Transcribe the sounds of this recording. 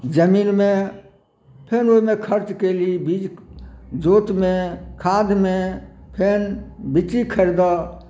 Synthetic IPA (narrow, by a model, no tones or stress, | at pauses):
d͡ʒəmiːnmẽ | pʰenoimẽkʰəɾt͡ʃkelibid͡ʒ | d͡ʒoːt̪mẽkʰaːd̪ʱmẽpʰenbit͡ʃikʰəɾd̪a